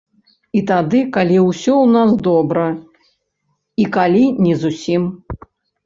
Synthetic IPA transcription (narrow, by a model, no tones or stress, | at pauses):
it̪ad̪ɨkalʲiwsʲɔwnasd̪ɔbɾɐ | ikalʲinʲɛzusʲim